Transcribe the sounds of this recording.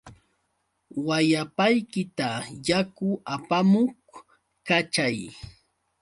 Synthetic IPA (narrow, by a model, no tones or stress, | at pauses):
wajapajkɪt̪ajakʊʔapamʊχ | kat͡ʃaj